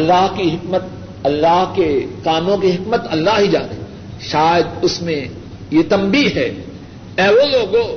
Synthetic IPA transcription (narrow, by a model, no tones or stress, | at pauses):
ɐlːaːɦkiɦɪkmət̪̚ | ɐlːaːɦkekaːmõkiɦɪkmət̪ɐlːaːɦɦid͡ʒa̰ːn | ʃaːjəd̪ʊsmẽ | jet̪ɐmbiːɦɛː | ɛːʋoːloːɡoː